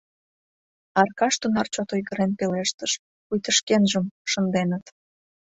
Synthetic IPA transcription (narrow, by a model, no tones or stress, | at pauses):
ɑrkɑʃt̪unɑrt͡ɕot̪ojɣəɾenpeleʃt̪əʃ | pujt̪əʃkenʒəmʃənd̪enət̪